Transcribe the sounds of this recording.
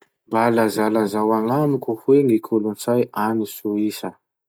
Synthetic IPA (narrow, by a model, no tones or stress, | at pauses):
balazalazawaŋamikuhweŋikʰulunt͡sajanisuisə